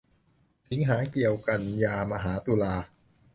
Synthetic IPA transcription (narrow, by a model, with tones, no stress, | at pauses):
t̪ʰi˩˦ŋɦaː˩˦ki˨˩əwka˨˧njaː˧ma˧ɦaː˩˦t̪uː˧laː˧